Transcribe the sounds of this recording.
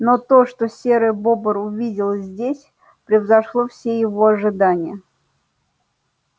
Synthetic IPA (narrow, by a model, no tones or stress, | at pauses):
not̪o̞ʂt̪osʲeɾəjbobəɾʊvʲidʲɪlˠzʲdʲesʲ | pɾʲɪvzɐʂlˠofsʲejɪvo̞ɐʐɨd̪anʲɪjə